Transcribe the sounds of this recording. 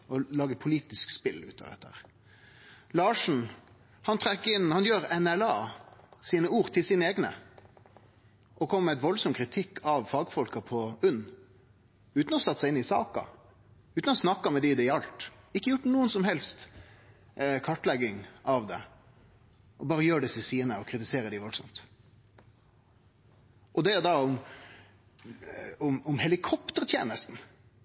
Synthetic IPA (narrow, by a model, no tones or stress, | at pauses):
ɔlɑːɡəpʰʊliːt̪ɪskspɪlːʉ̰ːt̪ːɑ̰d̪ɛ̰t̪ːəhæ̰ːʁ | lɑːʂn̩ | hɑnt̪ʰɾɛkːɪnhɑnjøːɾɛnɛlɑːsiːnəuːʁt̪ʰɪlsiːnəeːɡnə̰ | ʔɔkʰɔməmæɪt̪ʋɔlsɔmkʰɾɪt̪ʰɪkːʰɑʋfɑːɡfɔlkɑpʰɔʉnː | ʉːt̪n̩ɔsɑt̪ːsæɪɪnɪsɑːkɑ̰ | ʉːt̪n̩ɔsnɑkːɑmɛd̪ɪd̪ɛɑlt̪ | ɪkːəjʊʈːnuːənsɔmhɛlst̪ | kʰɑʈlɛɡɪŋɑʋd̪ɛ̰ | ʔɔbɑːɾəjøːɖɛsɪsiːnəɔkʰɾɪt̪ɪseːɾəd̪ɪʋɔlsɔmt̪ | ɔd̪ɛd̪ɑʊm | ʊmʊmhɛlɪkʰɔpt̪əɾt̪ʰjeːnəst̪n̩